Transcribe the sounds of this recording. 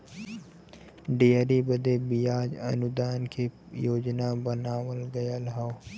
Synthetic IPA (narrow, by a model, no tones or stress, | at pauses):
ɖijəɾibəd̪ebijaːd͡ʒɐ̰nʊd̪aːnkʰe | joːd͡ʒnabənaːʋəlɡɐjalɦao